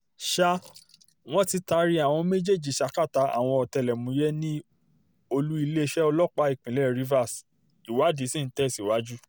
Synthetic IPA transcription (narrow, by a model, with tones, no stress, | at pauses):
ʃa˦ | w̃ɔ̃˦ti˧ta˧˦ɾi˦a˦˨w̃ɔ̃˧me˦d͡ʒe˦˨d͡ʒi˨ʃa˧˦ka˦˨ta˨˦a̰˨w̃ɔ̃˧ɔ˨tɛ˧˨lɛ˨mũ˨˧˦jɛ˦nĩ˦ | o˧lu˦i˧le˦˧˦ʃɛ˦ɔ˧lɔ˦k͡pa˧˦i˦˨k͡pĩ˨lɛ˦˨ɾi˦va˦˨s | i˨wa˨˦di˨˦sĩ˦n̩˦tɛ˦si˨wa˨˦d͡ʒu˦